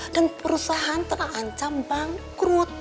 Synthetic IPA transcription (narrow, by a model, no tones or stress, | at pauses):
d̥anpəɾusaɦant̪əɾakant͡ʃambaŋkɾut̪̚